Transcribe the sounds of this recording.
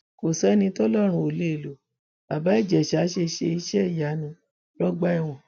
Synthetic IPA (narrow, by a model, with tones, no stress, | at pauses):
ko˨sɛ˨˦nĩ˧tɔ˦lɔ˦˨ɾ̃ũ˧o˨le˨˦e˨lo˨˦ | a˨ba˨˦i˦˨d͡ʒɛ˨ʃa˨˦ʃe˧ʃe˧i˧˦ʃɛ˦i˦˨ja˨˦nũ˧ | lɔ˦ɡ͡ba˦i˦˨w̃ɔ̃˨